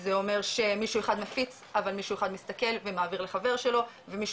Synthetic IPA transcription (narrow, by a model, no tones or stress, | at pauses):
zeo̞me̞ʁʃe̞miʃueχad̪mafit͡s | avalmiʃueχad̪mist̪ake̞lvemaːviʁleχave̞ʁʃe̞lo̞ | ve̞miʃ